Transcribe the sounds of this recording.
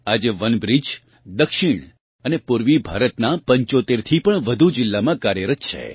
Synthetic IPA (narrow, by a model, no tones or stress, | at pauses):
ad͡ʒeʋənbɾid͡ʒ | d̪əkʃiɳ̃ | ənepuɾʋibʱa̰ɾət̪napəɲt͡ʃot̪eɾt̪ʰipəɳʋəd̪ʱud͡ʒɪlːamãkaɾjəɾət̪̚t͡ʃʰḛ